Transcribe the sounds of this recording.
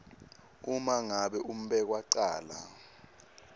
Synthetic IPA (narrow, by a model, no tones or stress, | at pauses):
umaŋaɓɛʔum̩ɓɛk̬waǀaːla̰